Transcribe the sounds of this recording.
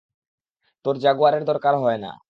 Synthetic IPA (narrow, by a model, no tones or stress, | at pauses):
t̪oɾd͡ʑaɡoaɾeɾd̪ɔɾkaɾɦɔena̰